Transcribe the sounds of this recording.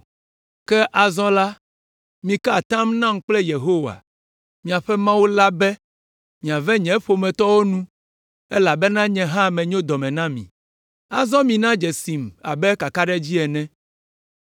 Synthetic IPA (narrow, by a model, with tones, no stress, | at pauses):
kɛ˦ʔa˨zɔ̃˦la˦ | mĩ˨ka˦˨t̪ã˦mnã˦m̩˦k͡plɛ˦je˨ɦo˦wa̰˨ | mĩ˨a˨ɸɛ˦mã˦wu˦la˦bɛ˦ | mĩ˨a˨vɛ̃˦ɲɛ̃˨˦ɸo˨mɛ̃˨t̪ɔ˦wo˦nũ˦ | e˦la˨bɛ˦nã˦ɲɛ̃˨ɦã˦˨mɛ̃˨ɲõ˦d̪ɔ˨mɛ̃˨nã˦mḭ̃˨ | a˨zɔ̃˦mĩ˨nã˦d͡ʒɛ˨si˨ma̰˨bɛ˦ka˨ka˦ɖɛ˦d͡ʑi˦ɛ˨nɛ̃˦